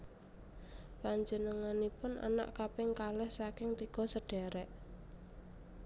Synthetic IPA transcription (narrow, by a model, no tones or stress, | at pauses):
paɲd͡ʒənəŋanipʊna̰na̰ʔkapɪŋkalɛhsakɪŋt̪iɡ̥ɔ̤səɖ̥ɛɾɛʔ